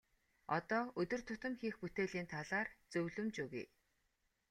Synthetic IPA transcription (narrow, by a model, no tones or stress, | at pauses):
ɔt̪ɔːɵt̪ɵ̆r̥t̪ʰʊt̪ə̆mxiːxput̪eːɮiːnt̪ʰaɮaːrt͡sɵwɮɵ̆mt͡ɕuɣḭj